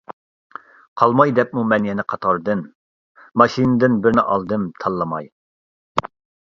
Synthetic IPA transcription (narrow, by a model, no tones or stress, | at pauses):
qʰɑlˠmɑjd̪ɛp̚mumɛnjɛnɪqʰɑt̪ʰɑɾd̪ɨn | mɑʃinɨd̪ɪnbɪɾnɪʔɑlˠd̪ɨmt̪ʰɑlˠːɨmɑj